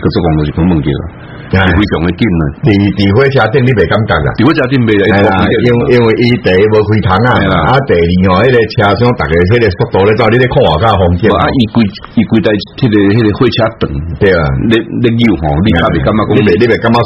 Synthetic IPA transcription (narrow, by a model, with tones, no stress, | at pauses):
kə˧t͡sə˧kɔ̃˧˨ŋtɔ̃˨˩ɕi˨kʰũ˧˦mɨ̃˧ŋkḭ˧˩a̰˨ | a˧˨i˨wi˧ɕjɔ˨ŋe˧ki˦˧˨ne˨t̪i˨t̪i˨hwe˦t͡ɕʰja˧t̪̬i˧ŋli˦be˨˩ka˦mka˧˩ka̰˨t̪i˨we˦t͡ɕʰa˧t̪i˧˨nbe˧a˨˦ẽ˧˨˧a˧˨˧ɛ˧˨i˧˨i˧ŋwi˨ʔi˧t̪e˨˧bə˧kʰwi˧t̪ʰa˨˦ŋa˨a˨a˦t̪e˨˧lĩ˨hɔ̃˨he˦˧e˧t͡ɕʰja˧sj̃ɔ̃˦t̪a˨ke˨˧ɦe˦ɾe˧sɔ˦t̚t̪ɔ˧˦e˦t͡swa˦˧li˦ɾe˦kʰɔ˥˧˨a˨ka˦˧ɦɔ˧ŋkji˧a˦i˧kwi˧ | i˧kʷi˧t̪a˧he˦˧ɾe˧ɦe˦˧ɾe˧hwe˦˧t͡ɕʰja˧t̪ɨ˨˩ŋt̪e˧˨a̰˨le˦le˦ɡi˦˨u˨ɦɔ̰̃˨li˦ka˦˧be˨ka˦mːã˦˧ɔ˦i˦be˨li˦be˨˩ka˦mːã˦